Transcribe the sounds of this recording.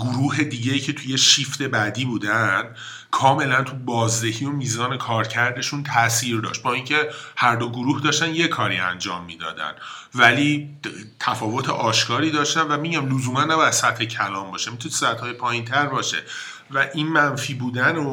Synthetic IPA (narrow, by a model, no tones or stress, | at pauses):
ɡoɾuːɦe̞d̪iːɟejiːcʰe̞t̪ʰuje̞ʃift̪e̞bæd̪iːbuːd̪ænd̪̥ | kʰɒːme̞lænt̪ʰubɒːzd̪e̞hiːomiːzɒːne̞kʰɒːɾcʰæɾd̪e̞ʃunt̪ʰæsiːɾd̪ɒ̰ːʃt̪̚bɒːiŋcʰe̞hæɾd̪o̞ɡoɾuːhd̪ɒːʃt̪ænje̞kʰɒːɾḭæ̰nd͡ʒɒːmːiːd̪ɒ̰ːd̪æ̰n | væliːt̪ʰæfɒːvo̞t̪ʰḛʔɒːʃkʰɒːɾiːd̪ɒːʃt̪ænvæmiɟæmlozuːmænːæbɒːjæd̪̥sæt̪hecʰælɒːmbɒːʃemit̪ʰunesæt̪hɒːjepʰɒːjint̪ʰæɾbɒːʃe̞̰ | væʔinmænfiːbuːd̪æno